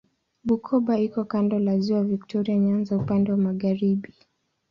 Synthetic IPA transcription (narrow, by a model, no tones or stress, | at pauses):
ɓukʰɔɓaikɔkandɔlaziwaviktʰɔɾiaɲanzaupandɛwamaɣaɾiɓi